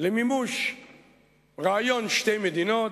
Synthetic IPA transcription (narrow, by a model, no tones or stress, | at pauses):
lemimuʃ | ʁaajonʃt̪ejmed̪ino